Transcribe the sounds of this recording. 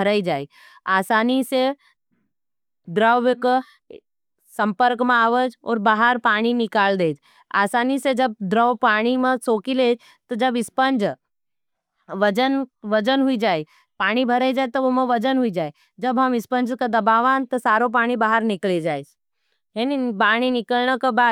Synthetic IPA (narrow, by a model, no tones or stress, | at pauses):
bʱɐɾəid͡ʒaːeɡ | aːsaːnise | d̪ɾəwʋək | sɐ̃mpəɾkmẽaːʋəd͡ʒɔ̰ːɾbaːɦəɾpaːɽ̃inɪkaːld̪eːd͡ʒ | a̰ːsaːnised͡ʒɐb̚d̪ɾəʋpaːɽ̃imẽsoːkileːd͡ʒ | t̪ɔd͡ʒɐbɪspənd͡ʒ | ʋɐd͡ʒənʋɐd͡ʒənɦuid͡ʒaːe | paːɽ̃ibʱɐɾəd͡ʒaːt̪oʋomẽʋɐd͡ʒənɦuid͡ʒaːe | d͡ʒɐbɦɐmɪspə̃nd͡ʒkad̪ɐbaːʋaːnt̪ɔsaːɾõp̬aːɽ̃ibaːɦəɾnɪkled͡ʒaːed͡ʒ | ɦenipaːɽ̃inɪkəlnəkabaː